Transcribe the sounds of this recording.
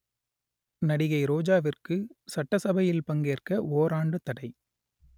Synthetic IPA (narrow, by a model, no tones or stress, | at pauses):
nɐɽɪɣɐɪɾoːd͡ʒaːʋɪrkɯsɐʈːɐsɐbɐjɪlpɐŋɡeːrkɐʔoːɾaːɳɖɯt̪ɐɽɐɪ